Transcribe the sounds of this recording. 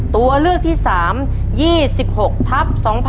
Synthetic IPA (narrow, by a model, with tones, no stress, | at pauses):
t̪u˧ɐlɯ˥˩ək̚t̪ʰiː˥˩saː˩˦m | jiː˥˩si˨˩p̚ho˨˩k̚t̪ʰa˦˥p̚sɔː˩˦ŋpʰ